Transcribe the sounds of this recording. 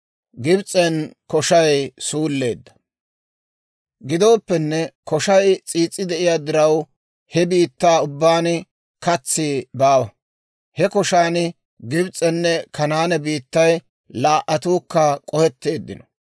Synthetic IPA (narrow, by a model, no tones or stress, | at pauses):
ɡɪbt͡sʼɛnkɔʃɐjsuːlːeːd̪ːɐ̥ | ɡɪd̪o̞ːpːɛnːɛkɔʃɐjt͡sʼiːt͡sʼːɪd̪ɛʔɪjaːd̪ɪɾɐw | hɛbiːt̪ːaːʊbːaːnɪ | kɐt͡sːɪbaːwɐ | hɛkɔʃaːnɪ | ɡɪbt͡sʼɛnːɛkɐnaːnɛbiːt̪ːɐj | laːʔɐt̪uːkːɐkʼɔhɛt̪ːeːd̪ːɪ̰nɔ̥